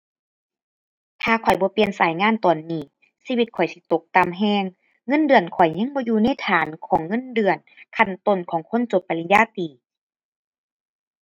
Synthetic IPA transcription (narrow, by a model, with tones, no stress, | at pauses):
t̪ʰaː˧kʰɔ˨˩jbɔː˧˦pi˧ənsaː˨˦jŋaː˧˥˨nt̪ɔː˨˩nːiː˧˩ | siː˧wi˧t̪̚kʰɔ˨˩jsi˧˦t̪o˧˦k̚t̪a˧˨mɦɛː˧˩˨ŋː | ɤ˧˥˨ndɯ˨˩ənkʰɔ˨˩jɲa˧˥˨ŋbɔː˧˦juː˧na˧˥˨jt̪ʰaː˨˦nkʰɔː˨˩˦ŋːɤ˧˥˨ndɯ˨˧˩ənkʰa˧˩nt̪o˧˩˨nkʰɔː˨˩˦ŋkʰo˧˥˨nt͡ɕo˧˦pːa˨li˧jaː˧˥˨t̪iː˨˩